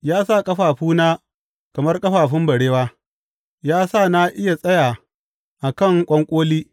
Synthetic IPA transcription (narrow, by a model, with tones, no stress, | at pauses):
jaː˦sa˦˨kʼɐ˦ɸaː˨ɸuː˦naː˦ | kɐ˨mɐ˦rkʼɐ˦ɸaː˨ɸɪ˦mbɐ˨ɽeː˦waː˦ | jaː˦saː˦˨na˦ʔɪ˦ja˨sʼɐ˦jaː˨ | ʔa˨kɐ˦˨ŋkʷʼɐ˦ŋkʷʼoː˦liː˦